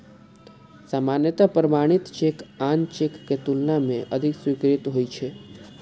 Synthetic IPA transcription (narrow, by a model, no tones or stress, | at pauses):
samanjət̪apɾəmaɽ̃it̪t͡ʃekant͡ʃekːet̪ulnamẽʔəd̪ʱikswikɾit̪ɦojt͡ʃʰe